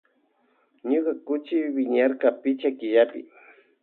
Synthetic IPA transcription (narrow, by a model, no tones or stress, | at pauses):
ɲokakʊt͡ʃɪwɪɲaɾkapɪt͡ʃakɪʎapɪ̰